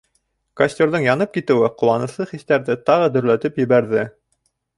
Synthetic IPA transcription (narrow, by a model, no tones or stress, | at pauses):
kɐsʲtʲoɾðɤɴjɑnɤp̚kit̪ɘ̆wɘqŭlˠɑnɤ̆slˠɤχiθt̪æɾðɘt̪ɑʁɤd̪ɵ̆ɾlæt̪ɘpjɘ̆βæɾðɘ